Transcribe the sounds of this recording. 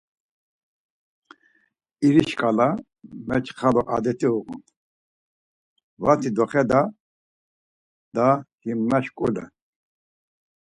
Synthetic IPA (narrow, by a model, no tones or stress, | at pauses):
iɾiʃkʼala | mɛt͡ʃʰχalɔʔad̪ɛt̪ʰʼiuqṵn | vat̪ʰid̪ɔχɛd̪a | d̪ahimːaʃkʼulɛ̰